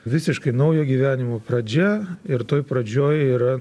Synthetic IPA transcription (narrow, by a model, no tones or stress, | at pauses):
ʋʲɪsʲɪʃkɐɪnɐʊjoːɡʲiːʋʲæːnʲɪmoːpɾɐd͡ʒʲɛɪɾt̪oːjpɾɐd͡ʒʲoːjiːɾɐ